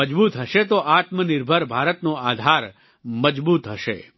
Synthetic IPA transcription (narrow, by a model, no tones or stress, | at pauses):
əd͡ʒbut̪ɦəʃet̪oʔat̪mənɪɾbʱəɾbʱaɾət̪noad̪ʱaɾ | məd͡ʒbut̪ɦəʃḛ